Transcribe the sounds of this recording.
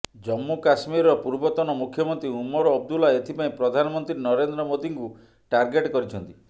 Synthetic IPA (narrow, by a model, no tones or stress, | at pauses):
d͡ʒɔmːukasmiɾɔpuɾbɔt̪ɔnɔmukʰːjɔmɔnt̪ɾiumɔɾɔɔb̚d̪ulaet̪ʰipaĩpɾɔd̪ʱanɔmɔnt̪ɾinɔɾend̪ɾɔmod̪iŋku | ʈaɾɡeʈkɔɾit͡ʃʰɔnt̪i̥